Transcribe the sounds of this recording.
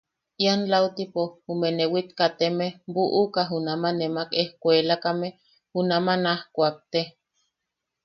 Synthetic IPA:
ianlawt̪ipohumenewit̪kat̪emehmbuʔukaɦunamanemakehkʷelakame | unamanahkʷak̚t̪e

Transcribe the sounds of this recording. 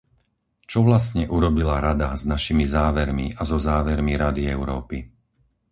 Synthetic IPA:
t͡ʃɔʋlasɲɛʔuɾɔbilaɾad̪aznaʃimizaːʋɛɾmḭazɔzaːʋɛɾmiɾad̪iɛʊɾɔːpi

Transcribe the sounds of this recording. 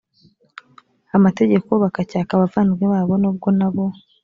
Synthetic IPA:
amate̞ɟe̞ko̞βakacaːkaβavaːnɡweβaːβo̞nuːb̚ɡo̞naβo̞

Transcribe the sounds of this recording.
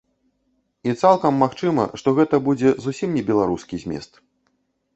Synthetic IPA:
it̪salˠkɐmːaxt͡ʂɨmɐ̰ʂt̪ɔɣɛt̪ɐbud͡zʲɛzusʲimnʲɛbʲɛlˠaɾuskʲizʲmʲɛ̰st̪

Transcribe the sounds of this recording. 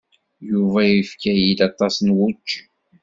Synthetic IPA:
juvæjifkæjid̪ɑt̪ˤːɑsnwut͡ʃː

